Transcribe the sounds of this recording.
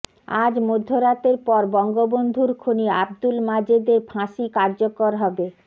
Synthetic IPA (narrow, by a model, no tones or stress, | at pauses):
a̰d͡ʑmod̪ʱːoɾat̪eɾpɔɾbɔŋɡobond̪ʱuɾkʰoniabd̪ulmad͡ʑed̪eɾbʰʱãʃikaɾd͡ʑokoɾɦɔbe